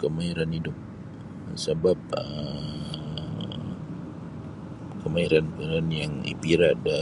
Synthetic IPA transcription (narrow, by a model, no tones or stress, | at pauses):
kəmaiɾanidʊk̚ | səbap̚ə | kəmaiɾanpɾanjaŋḭpiɾada